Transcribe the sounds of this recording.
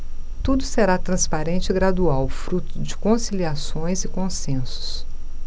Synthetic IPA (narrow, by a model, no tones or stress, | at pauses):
t̪ud̪ʊseɾat̪ɾɐ̃spaɾẽnt͡ʃɪɪɡɾad̪uawfɾut̪ʊd͡ʒɪkõsiliasõj̃zɪkõsẽsʊ̥s